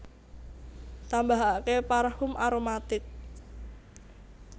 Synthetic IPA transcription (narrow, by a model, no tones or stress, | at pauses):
t̪ambaɦakepaɾhʊmʔaɾomat̪ɪk̚